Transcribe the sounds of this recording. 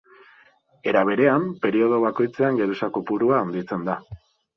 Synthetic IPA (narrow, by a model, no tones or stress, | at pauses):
e̞ɾaβ̞e̞ɾe̞ampe̞ɾio̞ð̞o̞βako̞jt͡se̞aŋɡe̞ɾusako̞puɾuaːnd̪it͡se̞nd̪a